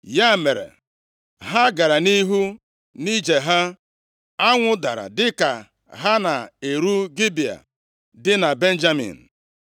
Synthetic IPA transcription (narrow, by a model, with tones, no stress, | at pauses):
ja˦˨me˨ɾḛ˨ | ɦa˦ɡa˨ɾa˨ni˦ɦu˦ | ni˦d͡ʒe˨ɦa˦ | a˦ŋʷʊ˦da̰˨ɾa̰˨dɪ˦ka̰˨ | ɦa˦na˨e˨ɾu˦ɡi˦bi˨a̰˨ | dɪ˦na˨be˦n̩˦d͡ʒa˦mḭ˨n̩˨